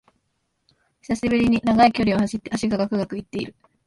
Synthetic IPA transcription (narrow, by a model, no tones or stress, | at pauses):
çi̥saɕibɯɾʲiɲ̟inaɡaikʲo̞ɾʲio̞aɕit̪ːeaɕiɡaɡakɯ̟ɡakɯ̟it̪ːe̞iɾɯ̟